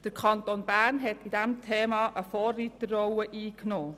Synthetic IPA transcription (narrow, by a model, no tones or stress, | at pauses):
d̥əɾkʰɑntonb̥æːɾnɦɛtidɛmtʰeːmɑːʔəfoːrːitərɔwəʔiːknoː